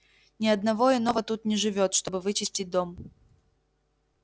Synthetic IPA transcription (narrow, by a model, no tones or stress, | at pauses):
nʲɪɐd̪nɐvo̞ɪno̞vət̪ut̪nʲɪʐɨvʲo̞t̪ʂt̪o̞bɨvɨt͡ɕɪsʲtʲɪt̚ʲd̪o̞m